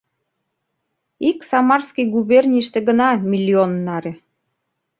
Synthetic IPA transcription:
iksɑmɑrskijɡuβernʲiʃt̪ĕɡənɑmʲilʲːionːɑɾĕ

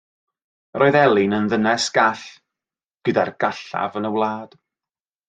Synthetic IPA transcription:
rʔoɨðɛlˠɪnənðənɛsɡ̥aɬ | ɡ̥ədarɡ̥aɬa̰vənəwlˠaːd̥

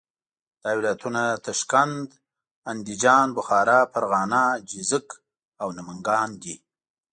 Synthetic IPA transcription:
d̪̥ɑwlat̪unat̪aʃkand̪ | and̪id͡ʒɑːnbʊxɑːɾɑpəɾɣɑːnɑd͡ʒizək | awnaməŋɡɑːnd̪i

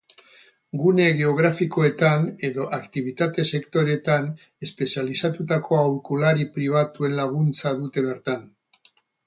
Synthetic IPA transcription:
ɡune̞ɣe̞o̞ɣ̞ɾafikoe̞t̪ane̞ðo̞ʔakt̪iβ̞it̪at̪e̞se̞kt̪o̞ɾe̞t̪an | e̞spe̞sialisat̪ut̪ako̞awɾkolaɾipɾiβ̞at̪ue̞nlaɣ̞unt͡saðut̪e̞β̞e̞ɾt̪an

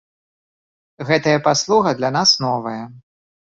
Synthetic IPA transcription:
ɣɛt̪ɐjɐpaslˠuɣɐd̪lʲɐnasnɔvɐjɐ

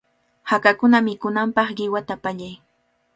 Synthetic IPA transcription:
hakakʊnamɪkʊnampɑχɢɪwat̪apaʎaj

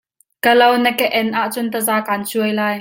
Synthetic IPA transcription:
kəlownəkɛʔɛnʔaʔt͡sʊnt̪ɐzaːkaːnt͡suəjlaːj

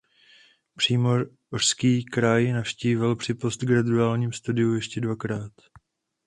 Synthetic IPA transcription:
pr̝̥iːmo̞ | or̥skiːkɾajnafʃciːvɪlpr̥ɪpost̪ɡɾaduaːlɲiːmst̪udɪujɛʃcɛdvakɾaːt̪

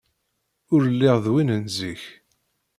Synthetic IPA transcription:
ʊɾəlːɪʁðwinənziç

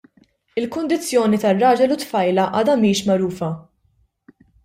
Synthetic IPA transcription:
ɪlkʊnd̪ɪt͡sːjɔːnit̪ɐrːɐːd͡ʒɛlut̪fɐjlɐʔɐːd̪ɐmiːʃmɐɾuːfɐ

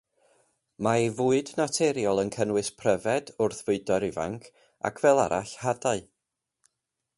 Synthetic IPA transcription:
maivuːɨdnatʰɛɾjɔlˠənkʰənwɨspʰrəvɛdʊrθvɨɨdɔɾɪva̰ŋkʰ | a̰kʰvɛlˠa̰ɾa̰ɬhadaɨ

